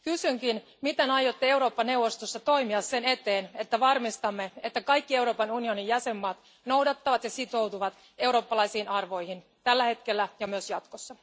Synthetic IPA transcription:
kysyŋkin | mit̪e̞nɑjo̞t̪ːee̞wɾo̞ːpːɑne̞wʋo̞st̪o̞sːɑt̪o̞jmiɑsːe̞ne̞t̪e̞ːne̞t̪ːæʋɑrmist̪ɑmːe̞e̞t̪ːækɑjkːie̞wɾo̞ːpɑnunio̞nijjæse̞mːɑːt̪ | no̞wdɑt̪ːɑʋɑt̪jɑsit̪o̞wt̪uʋɑt̪ | e̞wɾo̞ːpːɑlɑjsiːnʔɑrʋo̞jhin | t̪ælːæhe̞t̪ke̞lːæjɑmyøsjɑt̪kosːɑ

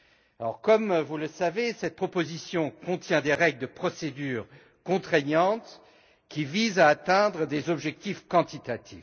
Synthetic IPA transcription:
alɔ̰ʁkɔmvuləsavesɛt̪̚pχɔpozisjɔ̃kɔ̃t̪jɛ̃d̪eʁɛɡld̪əpχɔsed̪yːʁ | kɔ̃t̪χɛɲɑ̃t̪ | kʲivizaːt̪ɛ̃d̪ʁəd̪ezɔbʒɛk̚t̪ifkɑ̃t̪it̪at̪ʰḭv

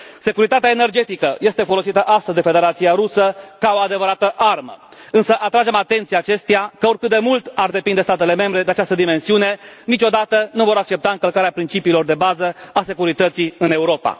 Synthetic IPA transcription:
se̞kuɾit̪at̪eaene̞rd͡ʒe̞t̪ikəje̞st̪e̞fo̞lo̞sit̪əʔast̪əzʲd̪e̞fe̞d̪e̞ɾat̪sijaɾusəkao̞ad̪e̞vəɾat̪əʔarmə̰ɨnsəʔat̪ɾad͡ʒe̞mat̪e̞nt̪siaːt͡ʃe̞st̪eakəo̞rkɨt̪̚d̪emult̪ard̪e̞pind̪est̪at̪e̞leme̞mbɾe̞d̪eat͡ʃast̪əd̪ime̞nsiune̞nit͡ʃo̞d̪at̪ənuvo̞ɾak̚t͡ʃe̞pt̪aɨŋkəlkaɾeapɾint͡ʃipiːlo̞rd̪e̞bazəase̞kuɾit̪ət̪siɨne̞uɾo̞pa̰

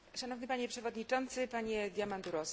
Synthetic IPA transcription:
ʂanɔvnɘpaɲɛpʂɛvɔd̪ɲit͡ʂɔnt̪sɘpaɲɛd̪ʲjamand̪uɾɔs

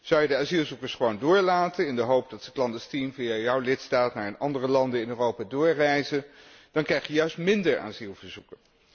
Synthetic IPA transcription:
z̥ɑwjədəaːzilˠzukəɹsχəʋowndʊːɹlaːtənɪndəɦowp̚dɑtsə̥klɑndəstimvijajɔwlɪtstaːtnaːɹənʔɑndərəlɑndəɪnøːrowpaːdʊːɹrɛjzə | d̥ɑnkrɛjχjəjœɥstmɪndəɹa̰ːzilˠvəɹz̥ukən

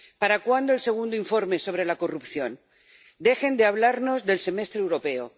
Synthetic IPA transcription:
paɾakwand̪oelse̞ɣ̞und̪oiɱfo̞ɾme̞so̞β̞ɾe̞lako̞rupθjo̞n | d̪e̞xe̞nd̪eaβ̞laɾno̞zðe̞lse̞me̞st̪ɾewɾo̞pe̞o

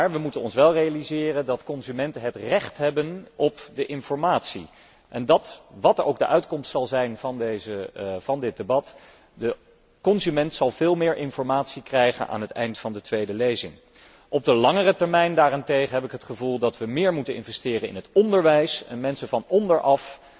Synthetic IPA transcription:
maːɹʋəmutənɔnsʋɛlˠrejalizɪːrəndɑtkɔnzymɛntənɦətrɛχtɦɛbənʔɔpdəʔɪnfɔɹmaːtsḭ | ʔɛndɑtʋɑtəɹʔowɡ̚dəʔœɥtkɔmstsɑlˠzɛjnvɑndezəvɑndɪt̚debɑt | də | kɔnzymɛntsɑlˠv̥ɪːlˠmɪːɹʔɪnfɔɹmaːtsikrɛjχə̰nʔa̰ːnɦətɛ̰jntfɑndətʋejdəlejzɪŋ | ʔɔb̚dəlɑŋərətɛɹmɛjndaːrantejχəɦɛpɪkɦətχəvulˠdɑtʋəmɪːɹmutənɪ̰nvɛstɪːrəɪ̰nɦətɔndəɹʋɛjsɛ̰nmɛnsənvɑnɔndəɹʔɑf

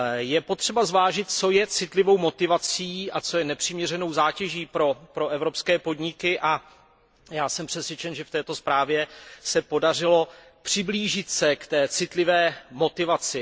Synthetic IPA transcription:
jɛpo̞t̪r̝̥ɛbazvaːʒɪt̪̚t͡so̞jɛt͡sɪt̪lɪvo̞wmo̞t̪ɪvat͡siːʔat͡so̞jɛnɛpr̥ɪmɲɛrɛno̞wzaːcɛʒiːpɾo̞pɾo̞ʔɛvɾo̞pskɛːpo̞dɲɪkɪʔa | jaːsɛmpr̥ɛsvjɛt͡ʃɛnʒɛft̪ɛːt̪o̞spɾaːvjɛsɛpo̞dar̝ɪlo̞ | pr̥ɪbliːʒɪt̪sɛkt̪ɛːt͡sɪt̪lɪvɛːmo̞t̪ɪvat͡sɪ

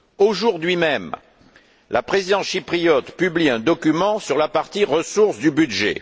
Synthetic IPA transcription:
oʒuʁd̪ɥimɛm | lʔapχezid̪ɑ̃sʃipχijɔt̪pybliɛ̃d̪ɔkʲymɑ̃syʁlapaʁt̪iʁəsuʁsd̪ybyd̪ʒḛ

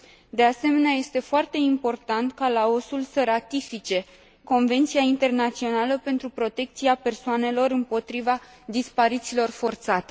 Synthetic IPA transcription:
d̪e̞ase̞me̞neaje̞st̪e̞foart̪e̞impo̞rt̪ant̪kalao̞sulsəɾat̪ifit͡ʃe̞ | ko̞nve̞nt̪sijaint̪e̞rnat̪sio̞naləpe̞nt̪ɾupɾo̞t̪e̞k̚t̪siape̞rsoane̞lo̞ɾɨmpo̞t̪ɾiva | d̪ispaɾit̪silo̞rfo̞rt̪sat̪e̞

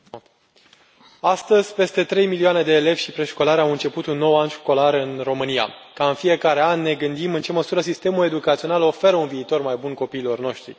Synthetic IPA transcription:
ast̪əzʲpe̞st̪e̞t̪ɾe̞jmilioane̞d̪e̞ːle̞vʲʃipɾe̞ʃko̞laɾawɨnt͡ʃe̞put̪unːo̞wanʃko̞laɾɨnro̞mɨnija̰kaɨnfije̞kaɾe̞anʲːe̞ɡɨnd̪imɨnt͡ʃe̞məsuɾəsist̪e̞mule̞d̪ukat̪sio̞nalo̞fe̞ɾəunviːt̪o̞rmajbunko̞piːlo̞rno̞ʃt̪ɾḭ

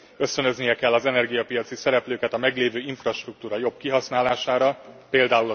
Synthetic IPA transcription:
ø̞st̪ø̞nø̞znijɛkɛlːɒzɛnɛrɡijɒpijɒt̪sisɛɾɛpløːkɛt̪ɒmɛɡleːvøːiɱfrɒʃt̪ruk̚t̪uːɾɒjo̞bkiɦɒsnaːlaːʃaːɾɒpeːld̪aːulɒ

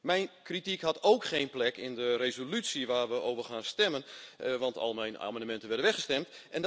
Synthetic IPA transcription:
mɛjnkritikɦɑtowkχejnplɛkɪndərezolytsiʋaːrʋəoːvərχaːnstɛmənʋɑntɔ̰lˠmɛjna̰ːmɑndəmɛntənʋɛdənʋɛxχəstɛmtɛn

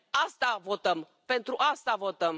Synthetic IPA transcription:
ast̪avo̞t̪əm | pe̞nt̪ɾuʔast̪avo̞t̪əm

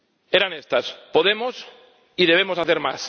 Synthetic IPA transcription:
eɾanest̪aspoðemos | iðeβ̞emosaθeɾma̰s

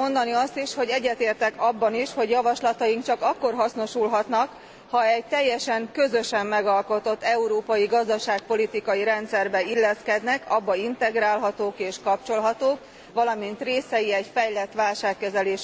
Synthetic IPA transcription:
o̞nd̪ɒniɒst̪iʃho̞ɟɛɟːɛt̪eːrt̪ɛkɒbːɒniʃho̞ɟjɒvɒʃlɒt̪ɒjiŋkt͡ʃɒkɒkːo̞rɦɒsno̞ʃulɦɒt̪nɒk | hɒɛc̚t̪ɛjːɛʃɛŋkø̞zø̞ʃɛmːɛɡɒlko̞t̪o̞t̪ːɛuɾoːpɒjiɡɒzd̪ɒʃaːk̚po̞lit̪ikɒjiɾɛnt̪sɛrbɛilːɛskɛd̪nɛkɒbːɒint̪ɛɡɾaːlɦɒt̪oːkeːʃkɒp̚t͡ʃo̞lɦɒt̪oːk | ʋɒlɒmint̪reːsɛjiɛcfɛjlɛt̪ːʋaːlʃaːkːɛzɛleːʃ

